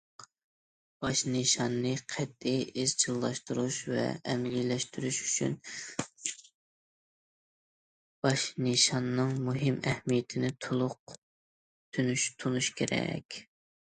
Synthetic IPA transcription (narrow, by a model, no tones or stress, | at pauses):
b̥ɑʃneʃɑnːɨqʰɛd̪ːɪiz̥t͡ʃʰilˠːɑʃt̪uɾuʃvɛ̰ɛmlilɛʃt̪ʰyɾyʃy̥t͡ʃʰyn | b̥ɑʃneʃɑnːɨŋmuɦɪmɛhmijɪt̪ʰɪnɪt̪ʰulˠʊq̚ | t̪ʰynyʃt̪ʰunuʃkʲʰeɾɛ̰kʲ